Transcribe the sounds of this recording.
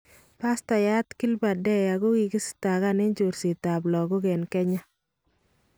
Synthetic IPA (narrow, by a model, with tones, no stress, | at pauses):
pa˦sta˨ja˦tki˦lba˨dɛ˦ja˨ɡo˦ɡi˨ɡi˦sta˨ɣa˦nɛ˦ɲd͡ʒo˨ɾsi˨ta˨blɔ˨ɡo˦ɡɛ˨nkɛ˦ɲa˦